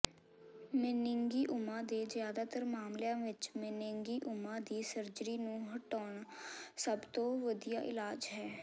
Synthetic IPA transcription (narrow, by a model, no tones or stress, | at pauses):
mɪnɪŋɡiːʔʊmãːd̪eːzjaːd̪aːt̪əɾmaːmljãːʋɪt͡ʃmɪnɪŋɡiːʔʊmãːd̪iːsəɾd͡ʒɾiːnũːɦəʈɔːɳsəbt̪õːʋəd̪ijaːʔɪlaːd͡ʒɦɛː